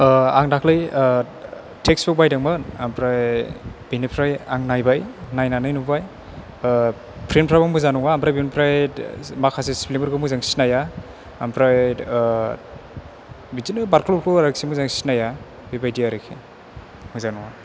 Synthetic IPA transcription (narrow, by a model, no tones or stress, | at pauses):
aŋdakʰlɯj | tʰeksbuk̚bajdaŋmɯnampʰɾajb̥inipʰɾajaŋnajbajnajnanajnubaj | pʰɾenpʰɾabaŋmuzanuŋaːmpʰɾajbinpʰɾajmakʰasesplimɯɾɡɯmuzaŋsi̥najaː | mpʰɾaj | bizinɯbaɾklop̚kʰɔɾaksimuzaŋsi̥naja | bibajdijaɾɯkʰe | muzanuŋa